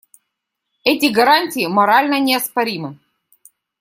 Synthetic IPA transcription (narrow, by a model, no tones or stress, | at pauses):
ɛtʲɪɡɐɾanʲtʲɪːmɐɾalʲnənʲɪɐspɐɾʲimɨ